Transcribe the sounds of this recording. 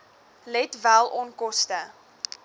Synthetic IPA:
lɛtvælˠʔɔnkɔstə

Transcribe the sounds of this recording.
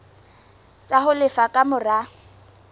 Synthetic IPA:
t͡sʼaɦʊlɪfakʼamʊra

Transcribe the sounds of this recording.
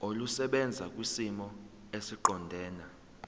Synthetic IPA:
olusɛɓɛnd͡zʱak̬ʼwisimɔ | esiǃɔndʱɛːna

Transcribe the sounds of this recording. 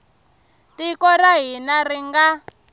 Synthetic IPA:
tikɔraɦinariŋɡa

